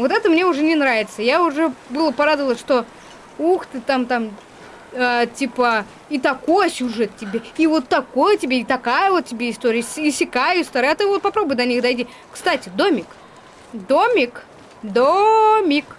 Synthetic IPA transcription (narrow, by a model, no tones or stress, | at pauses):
vo̞t̪ɛt̪əmnʲe̞ʊʐɛnʲɪnɾavʲɪt̪səjaʊʐɛbɨlˠəpɐɾad̪əvəlˠəsʲʂt̪o̞ | uxt̪ɨt̪amt̪am | ətʲipə | it̪ɐko̞jəsʲʊʐɛt̪ʲtʲːɪbʲeivo̞t̪ːɐko̞jtʲɪbʲeit̪ɐkajəvot̪̚tːʲɪbʲe̞ɪst̪oɾʲɪjəisʲɪkajʊsʲt̪ɐɾajɛt̪ɨvot̪̚pɐpɾo̞bʊjd̪ɐnʲixd̪ɐjtʲi | kst̪atʲɪd̪o̞mʲɪk | d̪omʲɪk | d̪omʲɪk